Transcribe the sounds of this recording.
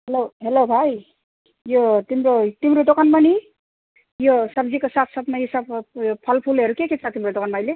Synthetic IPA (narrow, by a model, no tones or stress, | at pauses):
ɦeloɦelobʱaj | jot̪imɾot̪imɾod̪okanpʌni | josʌb̚d͡zikosat̪ʰsat̪ʰmajosʌbpʰʌlpʰulɦʌɾukeket͡sʰʌt̪imɾod̪okanbʱajle